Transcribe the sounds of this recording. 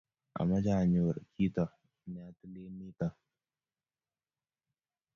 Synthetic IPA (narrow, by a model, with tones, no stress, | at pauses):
ʔa̰˨ma˦d͡ʒa˦˨ɲu˨wɾkʰi˦tɔ˨ | n˨a˨tu˦le˦nːi˦ta˨